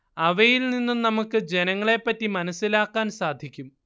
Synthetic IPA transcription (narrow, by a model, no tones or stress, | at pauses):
ɐʋɐjilninːumnɐmukːɨd͡ʑe̞nɐŋːɐɭe̞pːɐtːimɐnɐsːilaːkːaːnsaːd̪ʱikʲːum